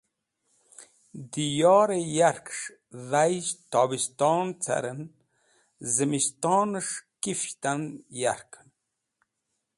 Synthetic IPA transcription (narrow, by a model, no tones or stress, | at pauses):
d̪ijɑːɾejaɾkʂ | ðajzt̪ɑbist̪ɑːnt͡sʰa̰ɾən | zəmist̪ɑːnəʂkift̪anjaɾkʰən